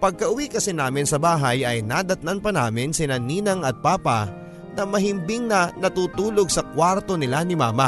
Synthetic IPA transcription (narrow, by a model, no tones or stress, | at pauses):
pɐɡ̚kɐʔʊwikɐsɛnaːmɪnsɐbaːɦɐjʔɐjnad̪ɐt̪̚nanpɐna̰ːmɪnsɪnɐniːnɐŋɐt̪̚paːpɐ̰ | nɐmɐɦɪmbɪŋnɐnɐt̪uːt̪uːloɡ̚sɐkwaɾt̪o̞nɪlanɪmaːmɐ